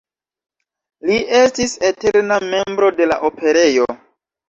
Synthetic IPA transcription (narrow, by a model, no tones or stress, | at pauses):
liʔe̞stise̞teɾname̞mbɾo̞de̞la̰ʔope̞ɾe̞jo̞